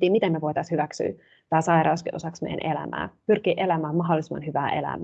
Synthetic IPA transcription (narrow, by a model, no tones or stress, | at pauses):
t̪iːmit̪emeʋojt̪ɑshyʋæksy̰ː | t̪æːsɑiɾɑuskiʔosɑksmḛjæ̰nʔelæ̰mæ̰ːpyrkiːʔelæmæːmɑɦolːˑisimːɑ̰nhyʋæːʔe̞̰læ̰m